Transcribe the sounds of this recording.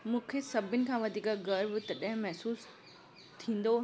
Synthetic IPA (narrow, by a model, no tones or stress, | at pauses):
mũːkʰesɐbʱɪnɪ̆kʰãːʋɐd̪ʱiːkəɡɐɾbʊt̪ɐɗɐɦɪ̃mɛɦsuːs | t̪ʰĩːn̆d̪o